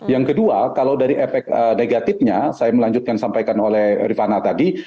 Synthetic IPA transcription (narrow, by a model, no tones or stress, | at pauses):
jaŋkəduakalawdaɾiʔefɛk̚əneɡat̪ɪfɲasajaməlaɲd͡ʒut̪̚kansampajkanolɛhrifanat̪adi